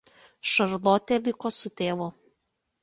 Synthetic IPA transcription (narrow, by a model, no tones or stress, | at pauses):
ʃɐɾlˠoːt̪ʲelʲɪkoːsʊt̪ʲeːʋʊː